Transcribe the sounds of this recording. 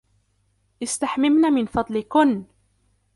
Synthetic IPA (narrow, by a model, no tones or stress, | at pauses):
ʔɪst̪aħmɪmnamɪnfɑd̪ˤlɪkʊn